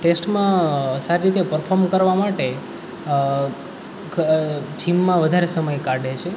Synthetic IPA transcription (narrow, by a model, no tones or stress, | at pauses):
ʈesʈmãsaɾiɾit̪epəɾfʰoɾmkəɾʋamaʈe | d͡ʒʰimːãʋəd̪ʱaɾesəməjkaɾɖet͡ʃʰe